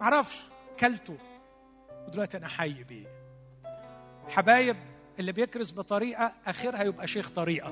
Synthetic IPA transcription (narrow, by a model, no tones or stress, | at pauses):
aʕɾˤɑfʃkælːt̪ʊ | wɪd̪ælwaʔt̪ʔænaħajːbḭː | ħabæːjɪb̚ | ʔɪlːibjɪkɾɪsbɨt̪ˤɑɾiːʔaʔæxɪɾhæjɪbʔæʃeːxt̪ˤɑɾiːʔa